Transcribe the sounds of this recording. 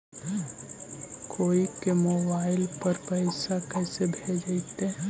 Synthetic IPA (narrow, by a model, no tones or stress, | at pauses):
kʰoːikemoːbaːɪlpɐɾpəɪsakɛːsebʱed͡ʒd͡ʒt̪e